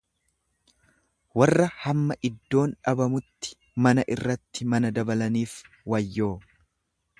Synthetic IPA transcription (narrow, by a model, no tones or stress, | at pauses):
wɐrːɐhɐmːɐʔɪd̪ːo̞ːnᶑɐbɐmʊt̪ːɪ̥ | mɐnɐʔɪrːɐt̪ːɪmɐnɐd̪ɐbɐlɐniːf | wɐjːo̞ː